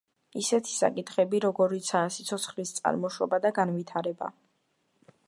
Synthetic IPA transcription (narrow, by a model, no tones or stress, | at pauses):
isɛt̪ʰi̥sa̰kʼit̪ʰχɛbiɾɔɡɔɾit̪sʰaːsi̥t̪sʰɔt̪sʰχlist̪sʼa̰ɾmɔʃwɔ̰bad̪aɡanvit̪ʰaɾɛba̰